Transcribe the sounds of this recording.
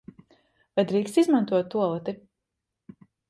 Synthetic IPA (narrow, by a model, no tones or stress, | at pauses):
vajd̪ɾiːkst̪izmãnt̪uɔt̪ːuɔlˠat̪i